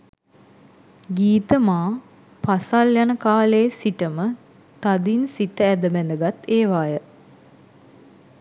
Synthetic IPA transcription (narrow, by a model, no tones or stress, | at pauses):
ɡiːt̪əmaː | pasaljanəkaːlejsiʈəmə | t̪ad̪insitəæd̪əbɛnd̪əɡat̪ːeːʋaːjə